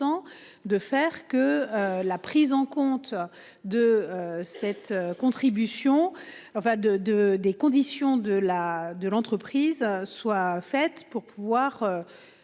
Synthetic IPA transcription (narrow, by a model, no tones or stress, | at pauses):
ɑ̃ | d̪əfɛʁkəlapχizɑ̃kɔ̃t̪ | d̪əøsɛt̪økɔ̃t̪χibysjɔ̃ | ɑ̃fɛ̃d̪əd̪əd̪ekɔ̃d̪isjɔ̃d̪əlad̪əlɑ̃t̪χəpχizswafɛt̪puʁpuvwaʁø